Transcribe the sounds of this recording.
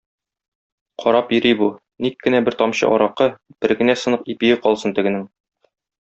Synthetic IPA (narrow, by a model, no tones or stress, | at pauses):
qʰɒɾɑpjɵ̆ɾibu | nikːɘ̆næbɘɾt̪ɒmɕɤ̰ʔɒɾɑqɤb̥ɘɾɡɘ̆næsɤ̆nɤq̚ipijɘqɒlˠsɤnt̪ɘ̆ɡɘ̆nɘŋ